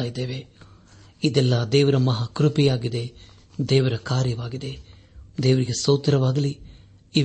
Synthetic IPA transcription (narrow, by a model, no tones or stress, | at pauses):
ajid̪eːʋe | id̪ɛlːɐd̪ɛːʋɐɾɐmɐɦakɾupijaːɡid̪e̞ | d̪ɛːʋɐɾɐkaːɾjɐʋaːɡid̪e̞ | d̪eːʋɐɾiɡesɐwt̪ɐɾɐʋaːɡɐli | i